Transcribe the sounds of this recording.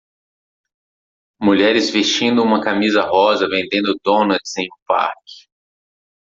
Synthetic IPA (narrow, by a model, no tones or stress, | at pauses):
muʎɛɾɪzvest͡ʃĩnd̪ʊũmɐkamizɐɦɔzɐvẽnd̪ẽnd̪ʊd̪õnɐtsẽj̃ũpa̰ɾkɪ̥